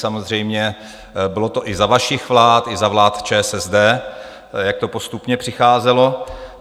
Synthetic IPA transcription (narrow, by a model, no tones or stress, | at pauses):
samozr̝ɛjmɲɛ | bɪlot̪oʔɪzavaʃɪxvlaːt̪ɪzavlaːt̪t͡ʃɛːsɛzd̪ɛː | jak̚t̪o̞po̞st̪upɲɛpr̥ɪxaːzɛlo̞